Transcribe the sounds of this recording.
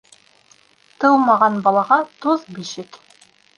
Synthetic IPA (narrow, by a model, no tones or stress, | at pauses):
t̪ɤwmɑʁɑnbɑlˠɑʁɑt̪uðbiʃɘk